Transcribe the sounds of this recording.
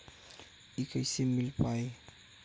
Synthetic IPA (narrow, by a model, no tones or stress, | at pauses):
ikajsimːilpaj